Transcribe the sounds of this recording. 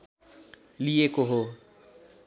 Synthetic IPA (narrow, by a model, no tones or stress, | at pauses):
liekoɦo